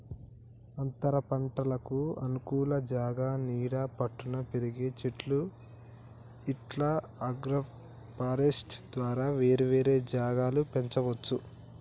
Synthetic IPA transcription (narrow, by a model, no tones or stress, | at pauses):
ɐnt̪ɐɾɐpɐɳʈɐlɐkuɐnukuːlɐd͡ʒaːɡaːniːɽaːpɐʈːunɐpeɾiɡeːt͡ʃiʈlu | iʈla | ɐɡɾɐ | paːɾesʈd̪ʋaːɾaːʋe̞ːɾeʋeːɾeːd͡ʒaːɡaːlupe̞ɲt͡ʃɐʋɐt͡ʃːu